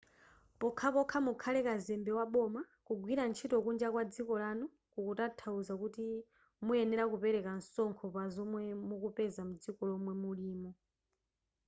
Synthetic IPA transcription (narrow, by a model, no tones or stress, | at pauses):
pɔkʰapɔkʰamukʰalɛkazɛmbɛwaɓɔmakuɡwiɾant͡ʃʰitɔkund͡ʒakwad͡zikɔlanu | kukutatʰauzakuti | muɛnɛɾakupɛɾɛkansɔŋkʰɔpazɔmwɛmukupɛzamud͡zikɔlɔmwɛmuliːmɔ